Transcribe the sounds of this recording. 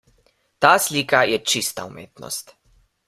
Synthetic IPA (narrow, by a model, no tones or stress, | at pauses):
t̪aːsliːkajɛt͡ʃist̪a̰umeːt̪nɔ̰st̪